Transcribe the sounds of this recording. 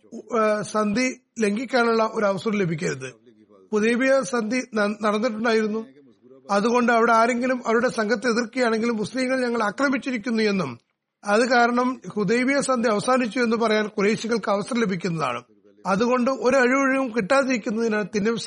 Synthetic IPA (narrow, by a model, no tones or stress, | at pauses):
sɐnd̪ʱile̞ŋɡikʲːaːnuɭːɐʔo̞ɾuɐʋɐsɐrɐmle̞bʱikʲːɐɾuðɨ | puðejbijɐsɐnd̪ʱinɐɽɐnːiʈ̬ːuɳɖaːjiɾunːu | ɐðuɣo̞ɳɖɨɐʋiɽe̞aːɾe̞ŋɡilumɐʋɐɾuɽe̞sɐŋɡɐt̪ːe̞ðirkijaːɳe̞ŋɡilumːuslimːɐɭɲɐŋːɐɭɐkrɐmit͡ɕːiɾikʲːunːue̞nːum | ɐðɨkaːɾɐɳɐmhud̪ejbijɐsɐnd̪ʱiɐʋɐsaːnit͡ɕːue̞nːɨpɐrɐjaːnkuɾeːɕiɣɐɭkɨɐʋɐsɐrɐle̞bʱikʲːun̪ːɐða̰ːɳɨ̰ | ɐðuɣo̞ɳɖɨʔo̞ɾuɐɻiʋɐɻiɣumkiʈːaːðiɾikʲːunːɐðinaːɳt̪inːe